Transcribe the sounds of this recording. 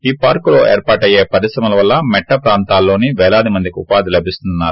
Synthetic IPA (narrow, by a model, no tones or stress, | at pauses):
iːpaːɾkulo̞ːeːɾpaːʈɐje̞ːpɐɾisɾɐmɐlɐʋɐlːɐmɛʈːɐpɾaːnt̪aːlːo̞ːniʋɛːlaːd̪imɐnd̪ikʲupaːd̪ilɐbʱist̪unnːaːɾu